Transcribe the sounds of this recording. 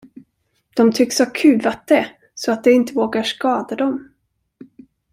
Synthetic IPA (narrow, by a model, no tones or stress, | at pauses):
d̪̥ɔmt̪ʰʏkːshakʰʉ̟ːvat̪̚d̪̥ɛ | sɔat̪̚d̪ɛɪnt̪əvoːɡaʂkɑːd̪ad̪ɔm